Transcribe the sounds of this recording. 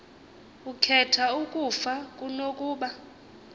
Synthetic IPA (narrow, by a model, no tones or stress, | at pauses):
ukʰɛtʰaukʼufakʼunokʼuːɓa